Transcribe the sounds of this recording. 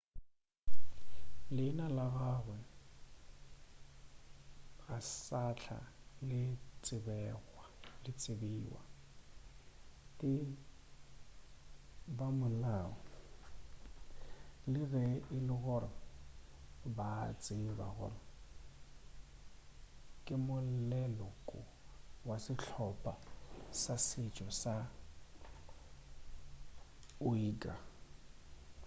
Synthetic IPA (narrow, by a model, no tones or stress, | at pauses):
lɪnalaɣaɣwɛ | ɣasat͡ɬʰa̰lɪt͡sʼɪbɛɣwalɪt͡sʼɪbiːwa̰ | tʼɪ | bamʊlaɔ | lɪrɛɪlɪɣɔra | baːt͡sʼɪba̰ɣɔ̰ːra | kʼɪmʊllɛlɔkʼʊwasɪt͡ɬʰɔpʼasasɪt͡ʃʼɔsa | ʊiːkʼa